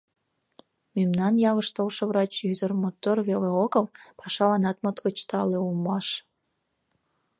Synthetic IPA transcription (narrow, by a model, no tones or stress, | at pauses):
memnɑnjɑβəʃt̪olʃə̆βrɑt͡ɕjyd̪ərmot̪orβeleokəlpʰɑʃɑlɑnɑt̪mət̪kot͡ɕt̪ɑleumɑʃ